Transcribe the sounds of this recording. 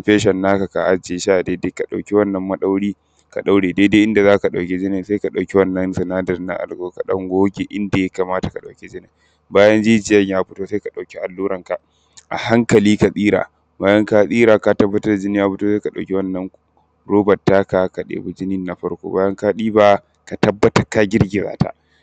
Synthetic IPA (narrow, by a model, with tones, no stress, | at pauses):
mɸeː˦ʃɐ˨nːaː˦ka˨ka˨ʔa˦d͡ʒeː˨ʃa˦ʔdeː˦de˦ka˨ɗa̰˨kʲi˦wɐ˦nːɐ˨mːɐ˦ɗa˦wɽiː˦ | ka̰˨ɗa˦wɽeː˨de˦de˦ʔɪ˦nda˨zaː˦ka˨ɗa˨wkʲe˦d͡ʒɪ˦nɪ˨se˦ka˨ɗa˨wkʲi˦wɐ˦nːɐ˦nsɛ˨naː˦dɐ˨rna̰˦ʔa̰˨lɡoː˦ka˨ɗɐ̰˦ŋɡʷoː˦ɡʲe˨ʔɪ˦nda˨jɐ˦ka˨maː˦ta˨ka˨ɗa̰˨wkʲi˦d͡ʒɪ˦nɪ˨ | baː˦jɐ˦nd͡ʒiː˦d͡ʒɪ˨jɐ˦ɲjaː˦ɸʊ˦toː˦se˦ka˨ɗa˨wkʲi˦ʔa˨lːuː˦ɾɐ˨ŋka˨ | ʔa̰˨ha˦ŋkɐ˨liː˦ka˨sʼiː˦ɾa̰ː˨ | baː˦jɐ˦ŋka˦sʼiː˦ɾaː˨ka˨tɐ˦bːɐ˦tɐ˦rda˨d͡ʒɪ˦nɪ˦jaː˦ɸʊ˦to˦se˦ka˨ɗa˨wkʲe˦wɐ˦nːɐ˦ŋku˦ | ɾoː˦bɐ˨tːaː˦ka˨ka˨ɗḛː˨bu˦d͡ʒɪ˦nɪ˦nːa˨ɸɐ˦ɽkʷo̰˦baː˦jɐ˦ŋkaː˦ɗiː˦baː˦ | ka˨tɐ˦bːɐ˦tɐ˦ka˦ɡʲɪ˦ɽɡʲɪ˨za̰ː˦ta̰˦ʔ